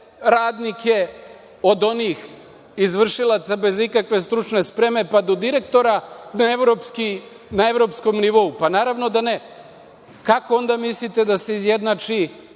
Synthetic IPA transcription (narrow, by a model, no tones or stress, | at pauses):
ɾaːd̪nikje̞ | o̞d̪o̞niːx | izʋr̩ʃilˠat̪sabe̞zikakʋe̞st̪ɾut͡ʃne̞spɾe̞me̞pad̪o̞d̪iɾe̞k̚t̪o̞ɾanaeʋɾopski | nae̞ʋɾo̞ːpsko̞mniʋo̞upanaːɾaʋno̞d̪ane̞ | kako̞o̞nd̪amislit̪e̞d̪ase̞izje̞d̪nat͡ʃi